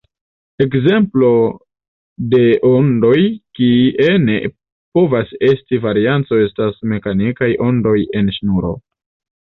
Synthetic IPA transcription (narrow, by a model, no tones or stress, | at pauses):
e̞kze̞mplo̞ | de̞ʔondo̞jkiiʔene̞ | po̞vase̞stivaɾiant͡so̞e̞stasme̞kanikajʔo̞ndo̞je̞nʃnuɾo̞̰